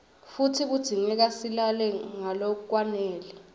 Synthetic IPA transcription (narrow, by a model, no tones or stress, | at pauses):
futʰik̬ud̥ʱiŋɛk̬asilalɛŋalok̬uk̬ʼwanɛːlɛ